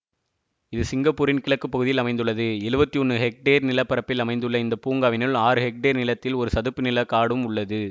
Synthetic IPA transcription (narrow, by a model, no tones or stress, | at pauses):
ɪðɯsɪŋɡɐpːuːɾɪnkɪɭɐkːɯpːɐɣɯðɪjɪlɐmɐɪnd̪ɯɭːɐðɯɛɻɯbɐt̪ːiɔɳːɯɦɛk̚ʈeːɾnɪlɐpːɐɾɐpːɪlɐmɐɪnd̪ɯɭːɐɪnd̪ɐpuːŋɡaːʋɪnɯlaːɾɯhɛk̚ʈeːɾnɪlɐt̪ːɪlɔɾɯsɐðɯpːɯnɪlɐkaːɽɯmʊɭːɐðɯ